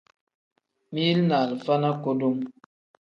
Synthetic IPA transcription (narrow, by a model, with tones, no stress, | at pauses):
mi˦lna˨lfa˦na˦ko˦do˦m